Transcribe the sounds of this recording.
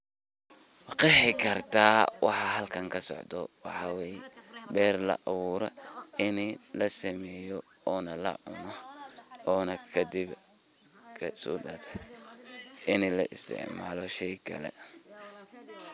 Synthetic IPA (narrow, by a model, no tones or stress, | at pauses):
qɛħɪkʰɐrt̪ʰaːwɑ̰ħɑɦɐlkʰɐŋkʰɐsɔ̰ʕd̪ɔwɑħɑwɛːjbɛːrlɐ̰ʔɐwuːɾɔ̰ɪnlɐsɐmɛːjɔ | ɔːnɐlɐ̰ʕʊ̰nɔ | ɔːnɐkʰɐd̪ɪb | kʰɐsɔ̰ːdɐt̪ʰɐ | ʔɪnɛlɐʔɪst̪ʰɪ̰ʕma̰ːlɔʃɛjkʰɐ̰lɛ̰